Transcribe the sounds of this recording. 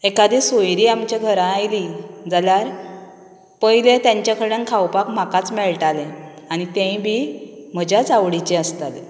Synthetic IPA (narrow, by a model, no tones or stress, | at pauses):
ekad̪iːsojɾiːamt͡ɕaɡʱəɾãːjlid͡zaljaɾ | pəilẽt̪jãɲt͡ɕakʰəɾənkʰawpakm̤akat͡smɛɭʈalẽ | aɽ̃it̪ẽĩbʱiːm̤əd͡ʑat͡sawɽit͡ɕeəst̪ale